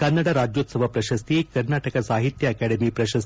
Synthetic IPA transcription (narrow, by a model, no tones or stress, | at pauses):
kɐnːaɽaɾad͡ʒjot̪səbʱapɾɐɕɐst̪ikɐɾnaʈəkasaɦit̪jəɐkæɽemiːpɾɐɕəs